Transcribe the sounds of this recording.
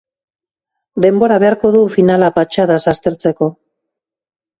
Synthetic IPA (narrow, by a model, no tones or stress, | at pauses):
d̪e̞mbo̞ɾaβe̞aɾko̞ðufinalapat͡ʃaðasast̪e̞ɾt͡se̞ko̞